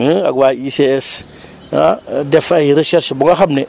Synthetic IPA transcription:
aɡaiseɛs | a̰defajiɾeʃɛɾʃbuŋaxabne

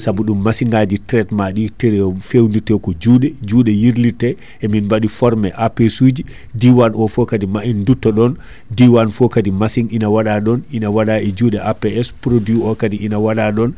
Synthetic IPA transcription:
sabuɗumːasiŋɡad͡ʒitɾɛtmaɗitɛɾɛfewnditɛkɔd͡ʒuːɗɛd͡ʒuːɗɛjiɾlitɛ | ɛminbaɗifɔɾmɛʔapesud͡ʒi | diwanɔfɔkadimaindutːɔɗɔn | diwanfɔkadimasiŋinawaɗaɗɔninawaɗaɛd͡ʒuːɗɛʔapɛɛspɾodjuɔkadiinawaɗaɗɔn

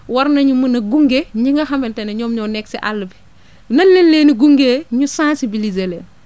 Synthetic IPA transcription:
wɐɾnɐɲumunɐɡuŋɡeɲiŋɡɐxɐmbɛntenɐɲɔːmɲɔːnɛk̚siʔa̰lːubi̥ | nɐnlenleːniɡuŋɡeːɲusãnsibilizelɛːn

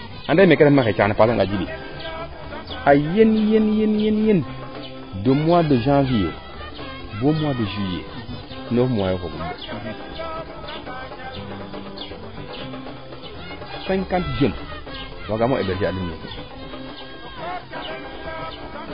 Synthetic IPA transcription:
adamekeɾemaket͡ʃanipasoŋɡad͡ʒibi | ajenjenjenjenjen | domadoʒãvijo̰ | bomadoʒijḛ | nofmwajokoɡumdo | sankantd͡ʒom | waɡamoʔebeɾʃialiḛ

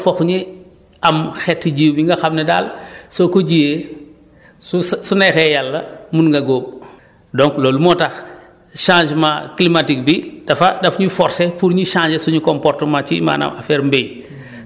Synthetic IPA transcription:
fɔxɲi | ɐmxɛtːɟiːwbiŋɡɐxamnɛda̰ːlsokoɟije | sussunɛxɛjalːɐmunŋɡɐɡoːb̚ | dɔ̃ŋklɔlumɔtax | ʃãːd͡ʒmaklimatik̚bid̥ɐfɐdɐfɲufɔɾsepuɾɲuʃãːɲd͡ʒesuɲukɔmpɔrtmat͡ʃima̰ːna̰mafɛːɾmbej

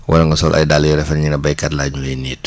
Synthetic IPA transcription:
wʔɐ̰lɐŋɡɐsɔlʔɐ̰jdaljɔɾɛfɐnɲinɐbɐjkɐtlaːɲuɛjniːt

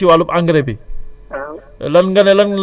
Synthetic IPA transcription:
iwalupaŋɡɾebi | lɐnɡɐnelɐnl

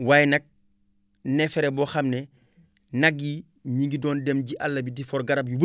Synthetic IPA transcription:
waːjnɐk̚ | nɛfɛɾɛbɔːxɐmnɛ | nɐɡi | ɲiŋɡidɔːndɛmɟiʔa̰lːɐbidifɔɾɡɐɾɐb̚jubə

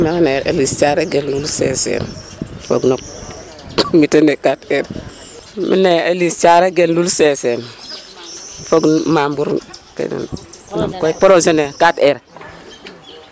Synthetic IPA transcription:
meŋaneɾḛlist͡ʃaɾeɡelulsesḛnfo̰ɡnok̚ | mitenekateɾ | mḭneelist͡ʃaɾeɡenlulsesen | foɡnmambuɾkḛnḛnmamkoipoɾosonekateɾ

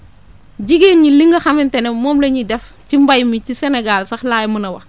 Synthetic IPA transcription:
ɟiɡeːnɲiliŋɡɐxɐmintɛnɛmɔːmlɐɲidɛf | cimbɐjmicisɛnɛɡalsɐxlaːjmunɐwɐ

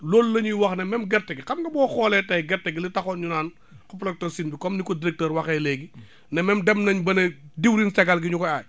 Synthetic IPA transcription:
lɔːllɐɲujwɐxnɐmɛmɡɛrtɛɡikɐmdɐbɔːxɔːlɛtɐjɡɛɾtːɛɡilitɐxɔːnɲunaːn | kɔplɛk̚tɔːsinbikɔmnikɔdiɾɛk̚təːɾwɐxɛːlɛːɡi | nɐmɛmdɛmnɐɲbɐnɐdiwɾinsɐɡalɡiɲukɔa

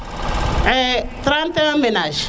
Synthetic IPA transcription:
ɛt̪ɾant̪ɛamɛnaʒ

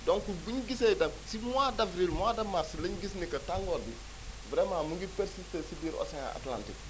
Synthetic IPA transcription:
dɔŋkubuɲɡisedɐp̚simwadavɾilmwadɐmarslɐɲɡisnikɐtaŋɡɔdi | vɾɛmaːmuɡipɛɾsistesibiːɾɔ̰sɛŋa̰a̰tla̰ntḭk̚

